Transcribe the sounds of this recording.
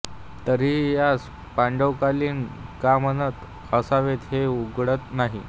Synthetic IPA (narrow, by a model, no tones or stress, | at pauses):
t̪əɾiːjas | paɳɖəwkaliːnkam̤ənət̪ | əsaʋet̪ɦeuɡɽət̪naɦḭ